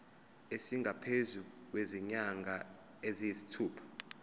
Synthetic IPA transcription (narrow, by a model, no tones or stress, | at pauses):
esiŋɡʱapʰezuk̬weziɲaŋɡʱa | ezijisi̥tʰuːpʰḁ